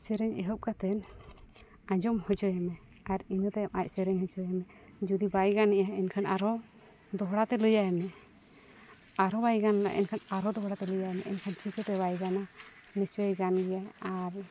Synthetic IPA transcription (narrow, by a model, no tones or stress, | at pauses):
sɛɾɛɲɛɦɔp̚kat̪ɛn | ad͡ʒɔmhɔd͡ʒɔjɛmɛ | aɾinɔt̪ɛamac̚ˀsɛɾɛɲhɔd͡ʒɔjɛmɛ | d͡ʒud̪ibajɡaniʔaɛnkʰanaɾɔ | d̪ɔɦɽat̪ɛlɔjaɛmɛ | aɾɔbajɡanla̰ʔɛ̰nkʰanaɾɔd̪ɔɦɽat̪ɛləjaɛmɛɛ̰nkʰant͡ʃʰikɔt̪ɛβajɡana | nisɔjɡanɡɛjaaɾ